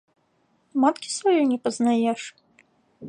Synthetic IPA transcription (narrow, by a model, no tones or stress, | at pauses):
mat̪kʲi̥svajɔjnʲɛpɐznajɛʂ